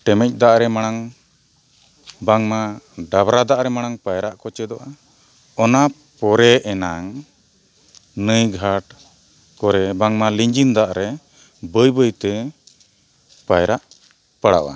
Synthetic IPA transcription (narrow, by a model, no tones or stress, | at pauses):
ʈɛmɛc̚ˀd̪aʔɾɛmaɽ̃aŋ | baŋmaɖabɾad̪aʔɾɛmaɽ̃aŋpajɾaʔkɔt͡ʃɛd̪ɔʔa | ɔna | pɔɾɛʔɛnaŋ | nəjɡʱaʈ | kɔɾɛbaŋmaliɲd͡ʒind̪aʔɾɛ | bəjbəjt̪ɛ | pajɾaʔ | pəɽa̰ʔa̰